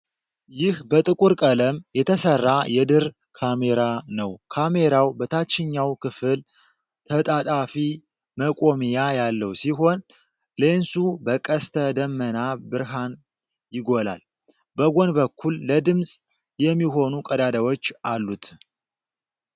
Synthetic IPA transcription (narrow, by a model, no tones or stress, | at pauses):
jɪhbət̪ʼɨkʼuɾkʼələmjɛt̪ʰəsərːajɛd̪ɨɾ | kʰame̞ɾanəwkʰame̞ɾawbət̪ʰat͡ʃːɪɲːawkɨfɨl | t̪ʰət̪ʼat̪ʼafi | məkʼomijajalːəwsiɦo̞n | le̞nsubəkʼəst̪ʰəd̪əmːənabɨɾɦan | jɪɡo̞la̰l | bəɡo̞nbəkʰːulːəd̪ɨmsʼ | jɛmːiɦo̞nukʼəd̪ad̪awo̞t͡ʃːʔalːut̪ʰ